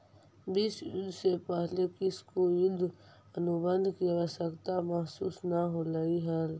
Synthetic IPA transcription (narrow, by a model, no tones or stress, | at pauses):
biːsjʊ̰d̪ʱːsepɛɦlekɪskojʊd̪ʱ | ənʊbə̃nd̪ʱkiəʋəsəkt̪aməɦsuːsnaɦolaiɦəl